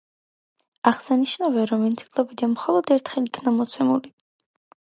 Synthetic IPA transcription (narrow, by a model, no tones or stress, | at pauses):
aχsaniʃnavɛɾɔminsʰi̥kʼlɔbid̪anmχɔlˠɔd̪ɛɾt̪ʰχɛlikʰnamɔt̪sʰɛmuli